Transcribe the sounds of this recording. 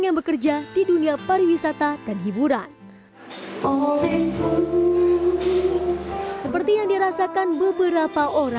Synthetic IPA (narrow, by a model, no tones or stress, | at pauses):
ŋjaŋbəkərd͡ʒad̥iduniapaɾiwisat̪adanɦibuɾan | olɛpu | səpərt̪ijaŋdiɾasakanbəbəɾapaʔoɾa